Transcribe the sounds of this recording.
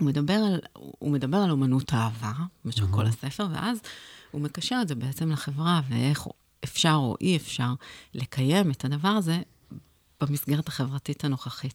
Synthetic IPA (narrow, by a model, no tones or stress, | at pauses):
umedabe̞ʁalṵme̞dabe̞ʁalomanutʰaːvamaʃako̞̰lase̞fe̞ʁve̞̰ʔazhume̞kaʃeʁetzebeet͡semlaχe̞vʁavḛʔeχ | ʔefʃaʁo̞̰ʔiefʃaʁle̞kʰaje̞metʰadavaʁaze̞ | b̥amisɡeʁethḁχe̞vʁatitano̞χaχit̚